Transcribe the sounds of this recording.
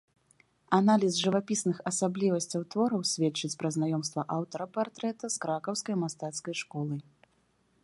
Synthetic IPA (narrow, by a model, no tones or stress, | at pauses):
analʲisʐɨvapʲisnɨxɐsablʲivɐsʲt͡sʲɐwt̪vɔɾɐwsʲvʲɛt͡ʂːɨt͡sʲpɾɐznajɔmst̪vɐʔawt̪ɐɾɐpart̪ɾɛt̪ɐskɾakɐwskɐjmast̪at̪skɐjʂkɔlˠɨ